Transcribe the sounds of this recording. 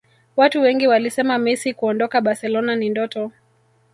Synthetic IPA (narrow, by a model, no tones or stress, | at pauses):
watuwɛŋɡiwalisɛmamisikuɔndɔkaɓaɾsɛlɔnanindɔtɔ